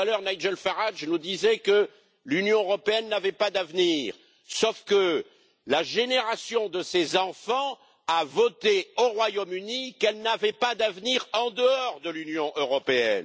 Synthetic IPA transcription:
alœʁnajd͡ʒɛlfaʁaʒnud̪izɛkə | lynjɔ̃øʁɔpeɛnːavɛpad̪avniʁ | sɔfkə | laʒeneʁasjɔ̃d̪əsezɑ̃fɑ̃ | avɔt̪eoʁwajomynikɛlnavɛpad̪avniʁɑ̃d̪əɔʁd̪əlynjɔ̃ʔøʁɔpeɛ̰n

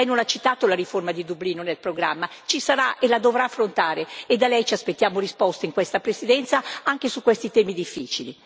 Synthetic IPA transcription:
ɛjnonat͡ʃit̪aːt̪olaɾiformad̪id̪ubliːnonelpɾoɡɾamːat͡ʃisaɾaʔelad̪ovɾaːfːɾont̪aːɾeed̪alɛjt͡ʃiaspet̪ːjaːmoɾispɔst̪eiŋkwest̪apɾesid̪ɛnt̪saaŋk̟esukːwest̪it̪ɛːmid̪ifːiːt͡ʃili

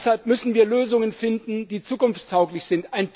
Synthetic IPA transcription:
shalpmʏsn̩viːɐløːzʊŋənfɪndn̩diːt͡suːkʊnft͡stʰaʊklɪçz̥ɪntaɪnp

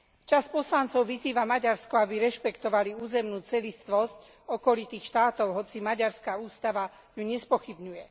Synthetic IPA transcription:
t͡ʃaspɔslant͡sɔʊʋiziːʋamaɟaɾskɔabiɾɛʃpɛkt̪ɔʋaliuːzɛmnuːt͡sɛlist̪ʋɔsc | ɔkɔlit̪iːxʃt̪aːt̪ɔʊɦɔt͡simaɟaɾskauːst̪aʋa | juɲɛspɔxibɲujɛ

